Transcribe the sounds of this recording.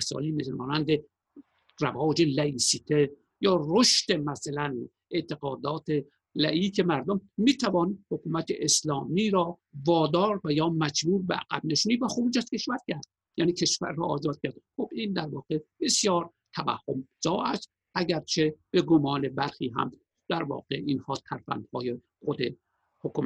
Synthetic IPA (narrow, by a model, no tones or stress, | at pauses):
sɒ̰ːliːmesm̰ːnænd̪e | ræ̰vɒːd͡ʒelæiːsiːt̪ʰe | jɒːroʃt̪e̞mæsalæn | ʔet̪ʰe̞ɣɒːd̪ɒːt̪ʰe | læʔiːke̞mæɾd̪omːiːt̪ʰævɒːniːd̪hokuːmæt̪ḛʔeslɒːmiːɾɒː | vɒːd̪ɒːɾvæjɒːmæd͡ʒbuːɾbeʔæ̰ɡ̥æ̰bneʃuːniːvæxubud͡ʒæz̥ke̞ʃvæɾcʲʰæɾd̪̥̚ | jæːniːkʰe̞ʃvæ̰ɾːɒːʔːzɒːd̪̚cʰæɾd̪̚xobiːnd̪æɾvɒːɣeb̥e̞sjɒːɾ | t̪ʰævæ̰hːomz̥ɒːæst̪ | ʔæɟæɾt͡ʃʰe̞b̥eɡomɒːne̞bæɾxiːɦæ̰m | d̪̥æɾvɒ̰ːɡeʔiːnhɒːt̪ʰæɾfæ̰nd̪hɒːje | xod̪e | hokum